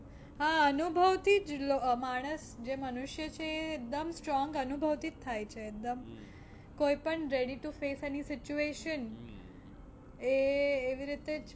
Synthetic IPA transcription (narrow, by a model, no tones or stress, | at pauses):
ɦãənubʱəʋt̪ʰid͡ʒlomaɽ̃əsd͡ʒemənuʃjət͡ʃʰeːk̚d̪əmsʈɾɔ̃ŋɡənubʱəʋt̪ʰit̪ʰːajt͡ʃʰeːk̚d̪əm | kojpəɳɾeɽiʈufesenisɪt͡ʃueʃən | eːʋiɾit̪ed͡ʒ